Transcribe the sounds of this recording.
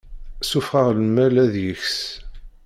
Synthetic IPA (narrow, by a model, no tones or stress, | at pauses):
sufʁəʁləmːælæðjəçs